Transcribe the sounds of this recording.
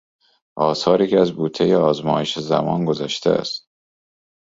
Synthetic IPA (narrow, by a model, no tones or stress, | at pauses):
ʔɒːsɒːɾiːcʰeæzbuːt̪ʰːejeɒːzmɒːjeʃezæ̰mɒ̰ːnɡozæʃt̪ʰæ̰æ̰st̪